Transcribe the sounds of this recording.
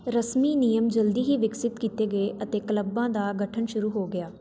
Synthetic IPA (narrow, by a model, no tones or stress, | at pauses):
ɾəsmiːnijəmd͡ʒəld̪iːɦiːʋɪksɪt̪kiːt̪eːɡəeːʔət̪eːkələbːãːd̪aːɡəʈʰənʃʊɾuːɦoːɡɪjaː